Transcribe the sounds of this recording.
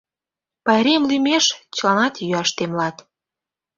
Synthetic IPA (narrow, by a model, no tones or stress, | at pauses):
pɑeɾemlymeʃt͡ɕəlɑnɑt̪jyɑʃt̪emlɑt̪